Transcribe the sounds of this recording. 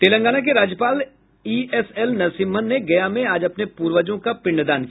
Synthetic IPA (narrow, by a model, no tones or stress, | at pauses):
t̪eːlə̃ŋɡaːnak̬eɾaːd͡ʒjəpaːl | iːɛsɛlnɐsiːmmənːeɡɐjamẽaːd͡ʒɐpnepuːɾʋəd͡ʒõkapɪ̃ɳɖd̪aːnki